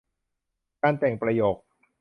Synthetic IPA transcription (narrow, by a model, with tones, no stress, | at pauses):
kaː˧nt̪ɛ˨˩ŋpɾa˧joː˨˩k̚